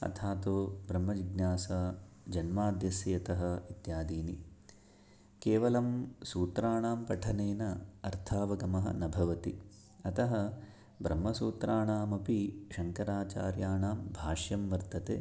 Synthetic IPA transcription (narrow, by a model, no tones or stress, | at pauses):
ɐ̰t̪ʰaːt̪oːbɾɐmːɐʋiɡnjaːsɐd͡ʒɐnmaːd̪jɐsjɐɐt̪ɐɦɐ̆it̪jaːd̪iːni | keːʋɐlɐmsuːt̪ɾaːɳaːmpɐʈʰɐneːnɐɐɾt̪ʰaːʋɐɡɐmɐɦɐ̰nɐbʱɐʋɐt̪i | ɐt̪ɐɦɐ | bɾɐmːɐsuːt̪ɾaːɳaːmɐpiʃɐŋkɐɾaːt͡ʃaːɾjaːɳaːmbʱaːʃjɐmʋɐɾt̪ɐt̪ḛː